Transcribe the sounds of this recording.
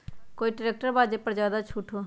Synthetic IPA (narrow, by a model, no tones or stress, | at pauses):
koːiːʈɪɾeːk̚ʈəɾbaːd͡ʒeːpəɾzjaːd̪at͡ʃʰuːʈʰoː